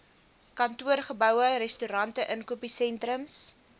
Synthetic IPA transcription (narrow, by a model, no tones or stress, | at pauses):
kɐntuərχəbœwəɾɛstyɾɐntəʔənkuəpisɛntɾəms